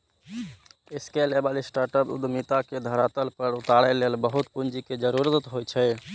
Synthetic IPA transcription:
eskelebalisʈaɾʈəpṵd̪mit̪aked̪ʱəɾat̪əlpəɾut̪aɽəlelbəɦut̪pund͡ʒiked͡ʒəɾuɾət̪ət̪ɦojt͡ʃʰɛ

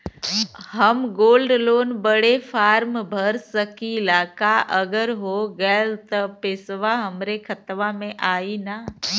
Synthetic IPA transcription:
ɦəmɡoːlɖloːnbəɽefʰaːɾmbʱəɾsəkilaːkaʔəɡəɾɦoɡəlt̪əpɪsʋaɦəmɾekʰət̪ʋamẽʔaːina

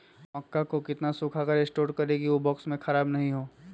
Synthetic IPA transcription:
mɐkːakokɪt̪nasʊkʰakəɾesʈoːʈkɐɾeɡiʋobɔːksmẽxɐɾaːbnɐɦĩɦoː

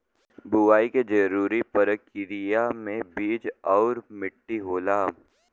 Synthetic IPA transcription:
bʊʋaːiked͡ʒɐɾuːɾipəɾəkːɪɾijamẽbiːd͡ʒɔːɾmɪʈːiɦoːlaː

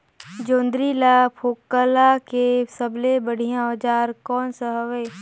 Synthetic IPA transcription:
d͡ʒõːnd̪ɾilapʰoːkːəlakesəblebəɽ̤ijãɔːd͡ʒaːɾkɔːnsəɦəʋeː

